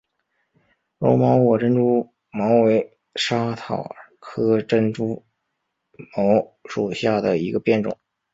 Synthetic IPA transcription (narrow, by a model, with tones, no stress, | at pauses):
ɻo̰˧˥ʊmɑ˧˥ʊwɔ˨˩ʈ͡ʂə˥nʈ͡ʂu˥ | mɑ˧˥ʊwe˧˥ɪ | ʂa˥t̪ʰɑ̰˨˩ʊkʰɤ˥ʈ͡ʂə˥nʈ͡ʂu˥ | mɑ˧˥ʊʂu˨˩ɕja˥˩d̪ə˩i˧˥ɡə˧pjɛ˥˩nʈ͡ʂʊ̰˨˩˦ŋ